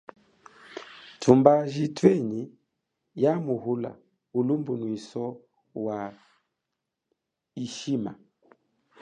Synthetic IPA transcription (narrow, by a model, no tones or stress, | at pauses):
tʰumbaʒitʰwɛɲi | jamuhula̰ | ulumbunwisɔ | wa | iʃima̰